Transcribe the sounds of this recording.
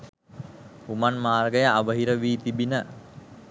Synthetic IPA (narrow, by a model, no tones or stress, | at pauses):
humanmaːrɡəjəaʋəɦiɾəʋiːt̪ibinə